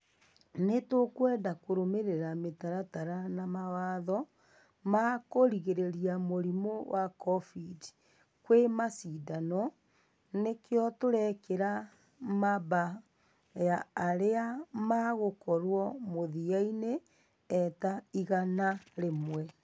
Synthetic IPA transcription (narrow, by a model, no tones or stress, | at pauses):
netokwɛdakoɾomeɾeɾametaɾataɾanamawaːðɔ | makoɾiɣeɾeɾiamoɾimowʔakɔfid | kwemasidanɔ | nekeɔtoɾɛkeɾa | maβa | jaːɾeamaɣokɔɾwɔmoðiaineː | taiɣanaɾemwɛ